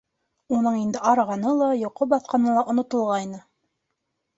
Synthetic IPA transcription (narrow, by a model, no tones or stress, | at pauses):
unɤɴind̪ɘʔɑɾɑʁɑnɤlˠɑjŏqobɑθqɑnɤlˠɑʔŏnŏt̪ɤ̆lˠʁɑjnɤ